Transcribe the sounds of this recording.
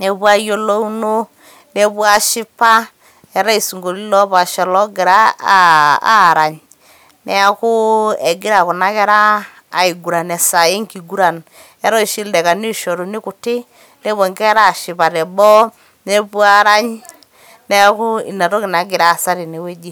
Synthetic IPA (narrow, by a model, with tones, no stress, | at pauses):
ne˨pu˦a˦jo˦lo˦u˦no˦ | ne˦pu˦a˦ʃɪ˦pa˦ | ɛ˨ɾa˦i˨su˨ŋɡo˨li˦lɔ˦pa˨ʃɔ˨lɔ˦ɡɪ˨ɾa˦˨ | a̰˦˨ɾa˨ɲ | nɛ˨˦a˦kʊ˦ɛ˨ɡɪ˦ɾa˨ku˨na˦kɛ˦ɾaː˦˨ | i˨ɡu˨ɾa˨nɛ˨sa˨e˦ŋki˨ɡu˦ɾa˨n | ɛ˦ɾɔ˦i˨ʃi˦ldɛ˨ka˨ni˦ʃo˨ɾu˨ni˦kʊ˨tɪ˦ | ne˦βɔ˨ŋkɛ˦ɾaː˦˨ʃɪ˨pa˨tɛ˨bɔ˦ | ne˦pu˦a˦ɾa˦ɲ | ne˦kʊ˦ḭ˨na˨ɾɔ˦kɪ˨na˨ɡɪ˨ɾa˨sa˦ɾi˨ne˨we˦d͡ʒi˦˨